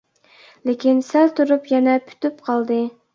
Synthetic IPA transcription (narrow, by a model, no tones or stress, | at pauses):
lekʲʰinsɛlt̪ʰuɾupjɛnɛpʰy̥t̪ypqʰɑlˠd̪ɨ